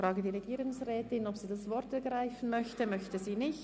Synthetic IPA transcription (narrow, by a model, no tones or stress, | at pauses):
ɾaːɡədiːʁeɡiːɾʊŋsʁɛːtɪnɔpsiːdasvɔɾtɛɐɡʁaɪfn̩mœçtəmœçtəziːnɪç